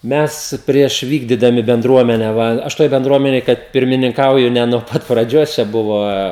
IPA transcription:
ˈmʲɛs pʲrʲiɛʃ ˈʋʲiːɡdʲiːdɐmʲɪ bʲɛnˈdruɔmʲɛnʲɛ ˈʋɐ ˈɐʃ ˈtoːj bʲɛnˈdruɔmʲɛnʲeːj kɐt pʲɪrʲmʲɪnʲɪŋˈkɐʊjʊ nʲɛ nuɔ ˈpɐt prɐˈd͡ʒʲoːs t͡ʃʲɛ ˈbʊʋɐ

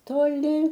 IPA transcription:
toːˈlʲɪ

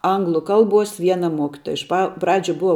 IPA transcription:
ˈɐŋɡlˠʊ ˈkɐlˠbuɔs ˈʋʲiɛnɐ ˈmuɔkʲɪtoːjɛ ɪʃ ˈpɐ ˈprɑːd͡ʒʲʊ ˈbʊʋɐ

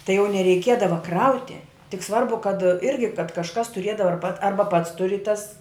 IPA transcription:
tɐɪ jɛʊ nʲɛrʲɛɪˈkʲiɛdɐʋɐ ˈkrɐʊtʲɪ tʲɪk ˈsʋɐrbʊ kɐt ˈɪrʲɡʲɪ kɐt kɐʃˈkɐs tʊˈrʲiɛdɐʋɐ ɐr pɐt ˈɐrbɐ pɐts tʊˈrʲɪ tɐs

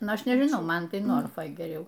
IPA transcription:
ˈnʊ ˈɐʃ nʲɛʒʲɪˈnɐʊ ˈmɐn ˈtɐɪ noːrfoːj ɡʲɛˈrʲɛʊ

